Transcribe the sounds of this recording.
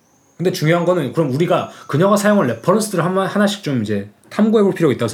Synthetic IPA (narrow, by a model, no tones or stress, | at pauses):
kɯnde̞t͡ɕuŋjoɦanɡʌnɯnkɯɾʌmuɾiɡakɯɲʌŋɡasʰajoŋɯɭːepʰʌɾʌnsʰɯdɯɾɯɭahanaɕʰi̥k̚t͡ɕ͈omid͡ʑe̞ | tʰamɡuɦe̞boɭpʰiɾoɡit͈aɡosʰ